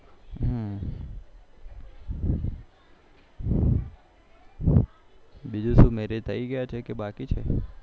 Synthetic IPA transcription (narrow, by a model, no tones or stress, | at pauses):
ɦ | bid͡ʒuʃũmeɾet̪ʰəiɡəjat͡ʃʰekebakit͡ʃʰḛ